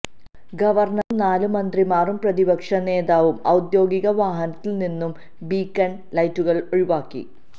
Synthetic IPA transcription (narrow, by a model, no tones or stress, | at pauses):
ɡɐʋɐrnɐrnaːlumɐnd̪rimaːrumprɐðibɐkʂɐne̞ːðaːʋumɐwd̪jo̞ːɡiɣɐʋaːɦɐnɐt̪ːilninːum | biːkːɐn | lɐjtːuɣɐɭoɻiʋaːkːḭ